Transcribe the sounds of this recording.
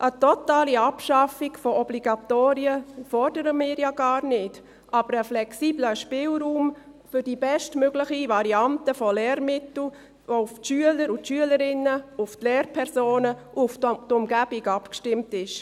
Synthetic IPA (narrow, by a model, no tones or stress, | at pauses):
ʔətɔtaːliɑpʃɑfiɡfɔɔbliɡɑtoːɾiəfɔrdəɾəmɪːɾjaɡɑːɾnɪt | ʔɑb̥əɾəflɛksiːbləʃpɪːlɾuːmfʏɾdibɛʃtmøɡlɪxivɑɾiɑntəfɔlɛːɾmɪtl̩ | voʊftʃyələɾʊtʃyələɾɪnəʊftlɛːɾpʰɛɾsoːnəʔftʊmɡ̥æb̥iɡɑpkʃtɪmtɪʃ